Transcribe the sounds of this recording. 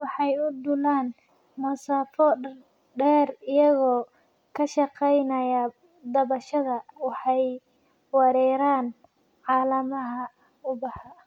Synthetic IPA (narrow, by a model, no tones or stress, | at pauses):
wɑħɑjʊd̪ʊlaːn | mɐsaːfɔ | ɖɛːrɪjɐɣɔː | kʰɐʃɑqɛjnɐjɐ | d̪ɐβɐʃɐðɐwɑħɑj | wɑɾɛːɾaːn | ʕɑːlɐmɐɦɐ | ʊbɑha